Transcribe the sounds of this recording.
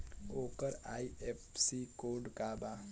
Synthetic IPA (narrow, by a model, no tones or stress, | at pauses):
oːkəɾaːiepsikoːɖkabaː